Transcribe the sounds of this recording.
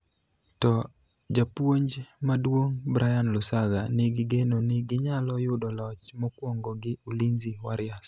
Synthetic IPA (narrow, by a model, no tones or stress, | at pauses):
tɔ | d͡ʒapwoɲd͡ʒmadwoŋbɾʔajanlʊsaɡanɪɡɪɡenonɪɡɪɲalɔjʊdɔlɔt͡ʃmɔkwɔŋɡɔɡɪuliɲziwaɾɪas